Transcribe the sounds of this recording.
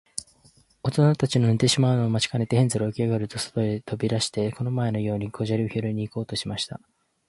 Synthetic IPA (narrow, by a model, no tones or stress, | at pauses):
o̞t̪o̞nat̪at͡ɕinonit̪e̞ɕimaɯnomat͡ɕi̥kane̞t̪e̞hẽ̞nzɨɾookʲiaɡaɾɯ̟t̪o̞so̥t̪o̞et̪ʰo̞bʲiɾaɕi̥t̪e̞ko̞no̞mae̞no̞jo̞ːɲ̟ikʰo̞ʑaɾʲioçiɾɯ̟ɲ̟iːko̞ːt̪o̞ɕimaɕi̥t̪a̰